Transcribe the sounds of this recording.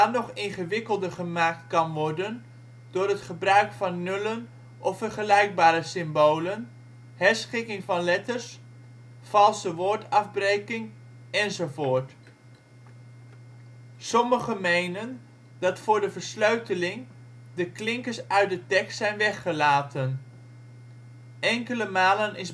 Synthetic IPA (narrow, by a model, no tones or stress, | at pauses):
anɔχɪnχəʋɪkəlˠdəχəmaːk̚tkɑnʋɔɹdən | d̥ʊːɾɦətχəbrœɥkfɑnːɵlən | ʔɔfəɹχəlɛjɡ̚baːɾəsɪmbowlən | hɛɹsχɪkɪŋvɑnlɛtəɹs | fɑlˠsəʋʊːɹtɑvbrejkɪŋ | ɛnzowvoːɹt | sɔməχəmejnən | dɑtfʊːɹdəvəɹsløɥtəlɪŋ | dəklɪŋkəɹsœɥ̚dətɛkstsɛjnʋɛχəlaːtən | ɛŋkələmaːlənɪs